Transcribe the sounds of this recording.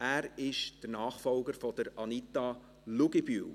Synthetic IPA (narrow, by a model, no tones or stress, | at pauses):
æːɾɪʃd̥ənɑːχfɔlɡəɾfɔd̥əɾɑnit̪ɑ | luɡibyːl